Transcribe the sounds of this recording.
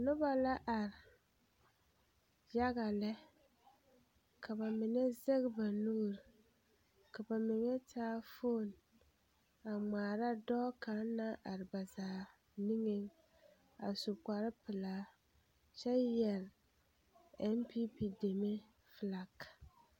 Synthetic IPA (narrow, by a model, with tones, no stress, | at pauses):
nʊ˦ba˨la˦ʔa˨ɾɪ˨ | ja˦ɣa˨lɛ˦ | kʰa˨ba˨mɪ˨ŋɛ˦ze˦ɣba˨nuː˦˨ɾ | ka˨ba˨mɪ˨ŋɛ˦tʰaː˦fo˦˨n | a˨ŋ͡maː˨ɾa˦dɔ˦ka˨˦n˦nːa˦ʔa˨ɾɪ˨ba˨zaː˨ | ni˦ŋe˦ŋ | a̰˨su˨kʷa˨ɾɪ˦pɪ˨laː˨˦ | t͡ʃɛ˦jɛ˨ɾ | ɛ˦mpi˦pi˦de˨me˦ | fla˨k